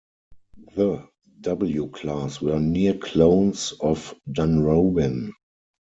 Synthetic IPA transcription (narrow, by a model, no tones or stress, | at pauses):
ðə | dabl̩jukʰlaswɜ˞niəkʰlõʊ̃nsɔfdãnɹoʊbɪ̃n